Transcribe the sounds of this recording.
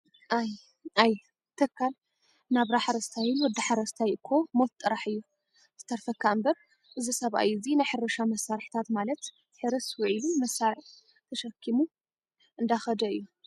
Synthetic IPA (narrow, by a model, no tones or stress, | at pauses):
ʔaj | aj | t̪ʰɐkʰːal | naβɾaħaɾɐst̪ʰajɪnwɔd̪aħaɾɐst̪ʰajʔɨkʰːo̞mot̪t̪ʼːɨɾaħɨjːu | zɨt̪ʰːɐɾfɐkʰːaɨmbɐɾ | ʔɨzisɐβʔa̰jɨzinajħɨɾɐʃamɐsːaɾħt̪ʰat̪malɐt̪ | ħɨɾɨswɔʕilumɐsːaɾɨħ | t̪ʰɐʃɐkʰːimu | ʔɨnd̪axɐd̪ɐɨjːu